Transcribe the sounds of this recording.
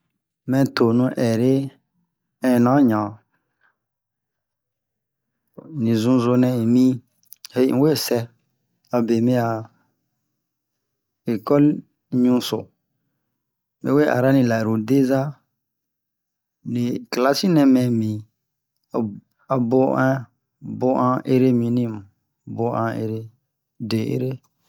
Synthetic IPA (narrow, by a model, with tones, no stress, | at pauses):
mɛ̃˧t̪o˨nũ˧ʔɛ˨ɾe˦ | ɛ̃˨nã˨˦ɲã˨ | nĩ˨zũ˧zo˧nɛ̃˧e˨mĩ˦ | he˦˨˦we˦˨sɛ˧ | a˨be˨mĩ˦a˨ | e˨kɔ˦l | ɲũ˦so˨ | mḛ˨˦we˦ʔa̰˨ɾa˦nĩ˨la˨ɾo˨de˦za˦ | nĩ˨kla˦si˦nɛ̃˨mɛ̃˨mĩ˨ | a˨bo˦ʔã˦ | bo˦ʔã˦ʔe˦ɾe˦mĩ˨nĩ˦˨m˨ | bo˦ʔã˨˦ḛ˦ɾe˦ | de˨ḛ˦ɾe˦